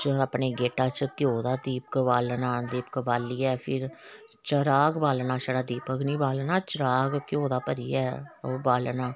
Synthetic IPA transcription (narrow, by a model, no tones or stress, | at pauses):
t͡ʃəəpneːɡeːʈaːt͡ʃkɪjoːd̪aːd̪iːp̚kəbaːlnaːd̪iːp̚kəbaːliːɛːpʰɪɾ | t͡ʃəɾaːɡbaːlnaːʃəɽaːd̪iːpəknĩːbaːlnaːt͡ʃəɾaːɡkjoːd̪aːpəɾiːɛːoːbaːlnaː